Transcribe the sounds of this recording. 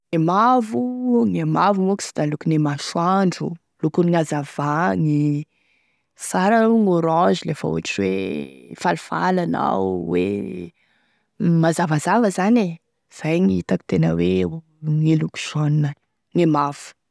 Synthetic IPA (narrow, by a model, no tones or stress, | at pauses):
emavuŋemavumuki̥si̥d̪alukunemaʃwaɳɖ͡ʐṵ | lukuniŋazav̥aŋi | saɾaŋoɾɔzilefə̰ṵaʈ͡ʂiwefalifa̰lana̰wwḛ | mazavazavəzane | z̥ajŋiit̪aki̥t̪enə̰we | ŋiluku̥ʃaninə | ŋemav̥u̥